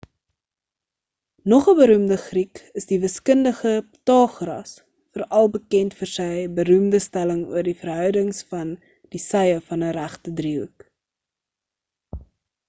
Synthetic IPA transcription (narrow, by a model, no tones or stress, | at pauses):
nɔχəbəɾumdəχrikəsdivəskəndəχəptɑːχrɐ̰s | fərɐlˠbəkɛntfərsəjbəɾʉmdəstæləŋṵərdifərɦœwdəŋsfɐn | disɛjəfɐnəɾæχtədriuk